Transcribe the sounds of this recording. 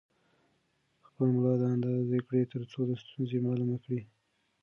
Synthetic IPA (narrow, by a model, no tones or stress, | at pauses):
xpəlmlɑd̪əand̪ɑzekɽet̪əɾt͡sod̪əst̪unzemɑlumakɽi